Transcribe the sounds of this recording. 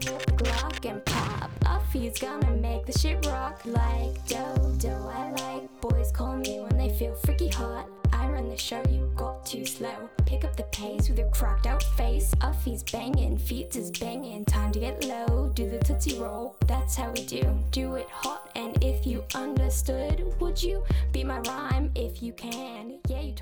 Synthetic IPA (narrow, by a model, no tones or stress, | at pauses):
wɪb̥lɑkɨ̃npʰɑ̰pʔʌfiɨzɡʌnɨmeɪk̚ðɨʃɪp̚ɹɑklaɪk̚d̥oʊdoʊaɪlaɪk̚b̥ɔɪz̥kʰɔlˠɪ̃ŋjɨwə̃nðeɪfilˠfɹ̥ɪkihɑɾ̚ | ʔãɪɹʌ̃nðɨʃoʊjɨɡɑtʰʉsloʊpʰɪkʌp̚ðɨpʰeɪswɨðə˞kʰɹ̥ɑk̚taʊtfeɪsʌvhizbæ̃ŋɨ̃nfit̚z̥ɨzb̥æ̃ŋɪ̃ntʰãɪ̃mtʰɨɡɛʔˡloʊdɨðɨtʰɪsiɹoʊlˠðætshaʊwidʉd̥ɨɪt̚hɑɾɨ̃nɪfjɨʔʌ̃ndə˞stʊd̚wəd͡ʒɨbimaɪɹãɪ̃mɪfjɨkʰɨ̃njæjɨ